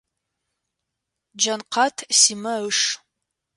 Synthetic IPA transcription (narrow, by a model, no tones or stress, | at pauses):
d͡ʒɐnqɑtʰsiːmɐəʂ